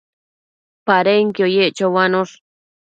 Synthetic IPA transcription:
paɾeŋkɪojeʔt͡ʃawanoʂ

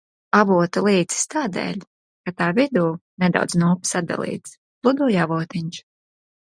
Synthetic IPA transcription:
avuɔt̪alˠiːt̪si̥st̪aːd̪ḛːlʲ | kat̪aːvʲid̪uːnɛd̪a̰wd̪znuːpsad̪̚d̪a̰lˠḭːt̪s | lˠud̪uːjavuɔt̪iɲʲt͡ʃ

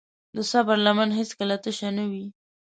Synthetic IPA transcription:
d̪əsɑpaɾlamɑnɦeskəlat̪əʃanawi

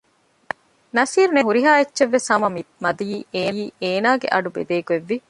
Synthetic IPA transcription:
nɐsiːɾuneɦuɾiɦaːetːʃeʋːesɐmɐmimɐd̪ijiːʔeːjiːeːnaːɡḛʔɐɖubḛd̪eːkueʋːi

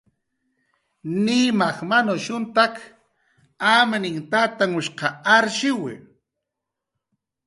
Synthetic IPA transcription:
nimaχmanoʃʊnt̪ak | amanɪŋt̪at̪aŋʊʃqɑaɾʃɪwɪ̰

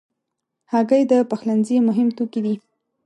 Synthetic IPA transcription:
haɡəjd̪əpaxlanzimʊɦɪmt̪okid̪i

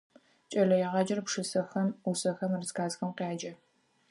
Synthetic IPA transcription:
t͡ʃʼɐɮɐjɛʁɑd͡ʒɐrpʂɨsɐxɐmusɐxɐmɨrzkaːzxɐmqaːd͡ʒɐ

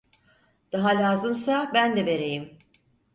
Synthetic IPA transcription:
d̪̥aɦalʲaːzɯmsabænd̪ɛve̞ɾe̞jim

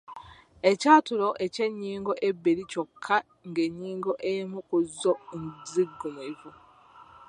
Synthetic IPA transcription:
e̞caːtulo̞ʔe̞ce̞ɲːiːŋɡo̞ʔe̞bːeɾicokʰːa | ŋɡe̞ɲːiːŋɡo̞ʔejmukuzːonziɡːumivu

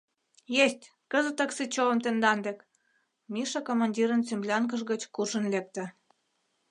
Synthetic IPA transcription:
jesʲtʲ | kə̆zə̆t̪əksit͡ɕolə̆mt̪end̪ɑnd̪ek | miʃɑkomɑnʲdʲiɾənt͡semblʲɑŋkə̆ʒɣət͡ɕkurʃə̆nlek̚t̪ĕ

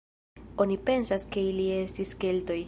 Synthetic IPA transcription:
o̞nipe̞nsaske̞ilie̞stiskelto̞j

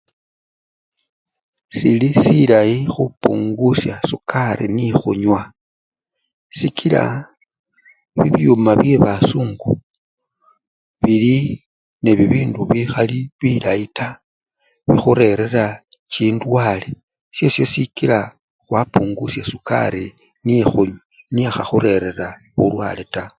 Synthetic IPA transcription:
silisilaixupṵŋɡusjasukʰaɾḭnixuɲwa | sikʰila̰ | βiβiumaβje̞βasuːŋɡu | βili | ne̞βiβiːnduβixaliβilaita | βixuɾe̞ɾe̞ra | t͡ʃiːndwaːle | sje̞sjo̞sikila | xwapuːŋɡusjasuka̰ɾi | nijexuɲwa | niaxaxuɾe̞ɾe̞ra | βulwa̰ːle̞ta

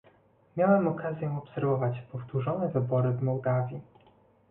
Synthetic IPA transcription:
mʲjawɛmɔkazʲjɛɔpsɛɾvɔvat͡ɕpɔft̪uʐɔnɛvɘbɔɾɘvmɔwd̪avʲji

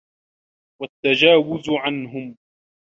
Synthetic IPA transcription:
wat̪ːad͡ʒaːwʊzʕanɦʊm

